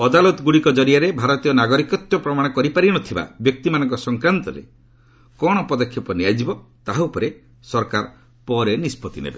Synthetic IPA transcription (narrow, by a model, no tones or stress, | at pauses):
ɔd̪alɔt̪ɔɡuɽikɔd͡ʒɔɾiaɾebʱaɾɔt̪ijɔnaɡɔɾikɔt̪jɔpɾɔmaɽ̃ɔkɔɾipaɾinɔt̪ʰiba̰bjɔk̚t̪imanɔ̃ŋkɔsɔŋkɾant̪ɔɾḛ | kɔɽ̃ɔpɔd̪ɔkʰːjɔpɔniad͡ʒibɔt̪aɦupɔɾe | sɔɾkaɾ | pɔɾenispɔt̪inḛbe